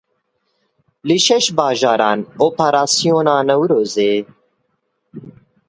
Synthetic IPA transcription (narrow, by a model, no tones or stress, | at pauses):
lɨʃɛʃbaːʒaːɾaːnoːpaɾaːsijoːnaːnɐwɾoːzeː